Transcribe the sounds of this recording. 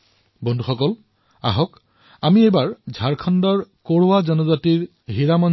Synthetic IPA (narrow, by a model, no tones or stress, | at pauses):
bɔndʱuxɔkɔl | a̰ɦɔk | amiejbaɹzʱaɹkʰɔndɔɹkoɹʊwazɔnɔzatiɹ | ɦiɹamɔn